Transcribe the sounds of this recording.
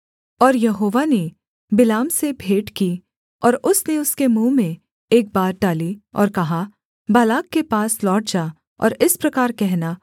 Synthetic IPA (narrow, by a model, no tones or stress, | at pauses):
ɔːɾjɐɦoːʋane | bɪlaːmsebʱeːʈki | ɔːɾʊsneʊskemũːmẽ | eːk̚baːɾɖaːliɔ̰ːɾkɐɦa | baːlaːkːepaːslɔːʈ̚d͡ʒaː | ɔ̰ːɾɪspɾɐkaːɾkɛɦna